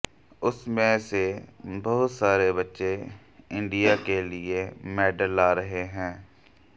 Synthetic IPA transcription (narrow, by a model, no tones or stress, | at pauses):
ʊsmẽsebɐɦʊt̪saːɾebɐtːʃe | ɪ̃ɳɖijaːkelɪemɛːɖəlːaːɾɐɦeɦɛ̃ː